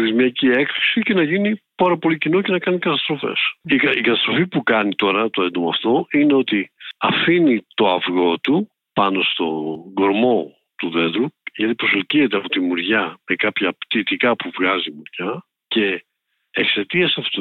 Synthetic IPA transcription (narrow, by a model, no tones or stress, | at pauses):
θizmiɐcie̞kθu̥sice̞nɐʝinipɐɾɐpo̞licino̞ce̞nɐkɐnikɐt̪ɐst̪ɾo̞fe̞̰sikɐikɐt̪ɐst̪ɾo̞fipukɐnit̪o̞ɾɐt̪oend̪omoɐft̪o̞ine̞o̞t̪iɐfinit̪o̞ɐvɣo̞t̪u | pɐno̞st̪o̞ɡo̞ɾmo̞ | t̪uðe̞ðɾuʝɐt̪ipɾosolciðet̪̬eɐpot̪imuɾʝɐme̞kɐpçɐpt̪it̪ikɐpuvɣɐzimuɾʝɐ | ce̞ː | kse̞t̪iɐsɐfot̪o